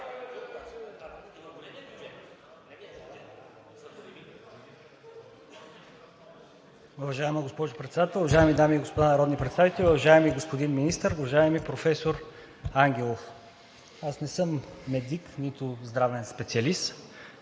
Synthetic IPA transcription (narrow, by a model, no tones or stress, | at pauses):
ʊvɐʒaɛməɡospɔʒʊpɾɛt̪sd̪at̪ɛlˠʊvɐʒaɛmid̪amiːɡospod̪anɐɾɔd̪nipɾɛt̪st̪avit̪ɛlʲiʊvɐʒaɛmiɡospod̪inminist̪əɾʊvɐʒaɛmipɾofɛsoɾ | aŋɡʲɛlˠof | asnɛsɤmːɛd̪iknit̪ʊzd̪ɾavɛnspɛt̪sʲiɐlist̪